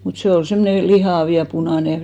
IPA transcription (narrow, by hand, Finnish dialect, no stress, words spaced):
mut seˑ ol semːone lihɑˑʋ jɑ punɑˑne